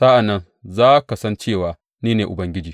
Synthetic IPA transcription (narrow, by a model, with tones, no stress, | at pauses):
sa˦ʔa˨nːɐ˦n | zaː˦ka˨sɐ˦nt͡ʃeː˦˨waː˨ | neː˦neː˨ʔʊ˨bɐ˦ŋɡʲɪ˦d͡ʒiː˨